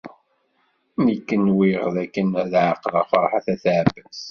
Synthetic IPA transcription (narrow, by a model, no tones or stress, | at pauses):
nikːənwiʁðækːənæðʕəqːlɑ̰fɑɾˤħaθæθʕbəs